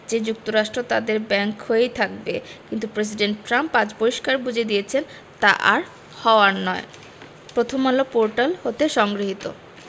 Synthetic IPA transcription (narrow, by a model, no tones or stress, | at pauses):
d͡ʑed͡ʑuk̚t̪oɾaʃʈɾot̪ad̪eɾbɛŋkɦoejt̪ʰak̚bekint̪upɾes̬iɖeɳʈʈɾampad͡ʑboiʃkaɾbud͡ʑʱed̪ijet͡ɕʰen | t̪a̰ʔa̰ɾ | hɔoanɔe | pɾot̪ʰomalopoɾʈalhot̪eʃɔŋɡɾiɦit̪o̰